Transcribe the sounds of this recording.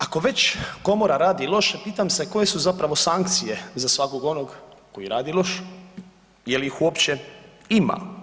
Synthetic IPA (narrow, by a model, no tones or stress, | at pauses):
ako̞ʋe̞t͡ɕko̞moɾaɾaːd̪ilˠo̞ʃepiːt̪amse̞ko̞je̞suzapɾaʋo̞saŋkt̪sije̞zasʋako̞ɡo̞noɡko̞jiɾaːd̪ilˠo̞ʃ | jeliixuopt͡ɕeima̰